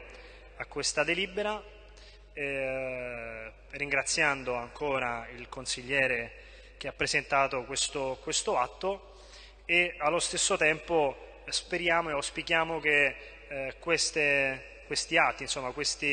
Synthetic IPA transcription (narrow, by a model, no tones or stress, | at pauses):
akːwest̪ad̪eliːbeɾa | rːiŋɡɾat̪sːjand̪oaŋkoːɾailkonsiʎːɛːɾe | k̟eapːɾezent̪aːt̪okwest̪okwest̪oat̪ːo | ealːost̪esːot̪ɛmpo | speɾjaːmoeawspikjaːmok̟e | kwest̪e | kwest̪iat̪ːinsomːakwest̪i